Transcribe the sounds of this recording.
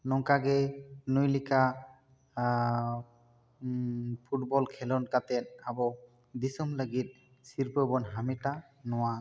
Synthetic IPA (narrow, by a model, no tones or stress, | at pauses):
nɔŋkaɡɛnujlika | pʰuʈ̚bɔlkʰɛlɔnkat̪ɛt̪̚abɔ | d̪isɔmləɡit̪̚ | siɾpəbɔnɦamiʈa | nɔwa